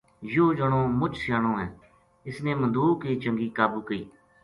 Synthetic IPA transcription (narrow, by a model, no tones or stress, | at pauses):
joːd͡ʒəɳ̃õːmʊt͡ʃsɪjaːɽ̃õːɦɛ̃ː | ɪsneːmənd̪uːkiːt͡ʃəŋɡiːkaːbuːkəiː